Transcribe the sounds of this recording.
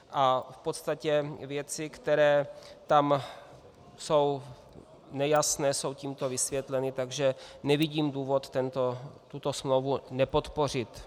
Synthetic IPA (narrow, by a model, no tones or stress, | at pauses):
ʔafpot̪st̪acɛvjɛt͡sɪkt̪ɛɾɛːt̪am | so̞w | nɛjasnɛːso̞wciːmt̪o̞vɪsvjɛt̪lɛnɪt̪aɡʒɛnɛvɪɟiːmduːvo̞t̪ːɛnt̪ot̪ut̪o̞smlowvunɛpo̞t̪po̞r̝ɪt̪